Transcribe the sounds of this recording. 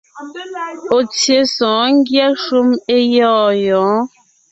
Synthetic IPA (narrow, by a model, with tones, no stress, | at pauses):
o˨t͡sje˨sɔ̃ː˨˦ŋ˦ɡja˦ʃu˦me˦jɔː˦˨jɔ̃ː˨˦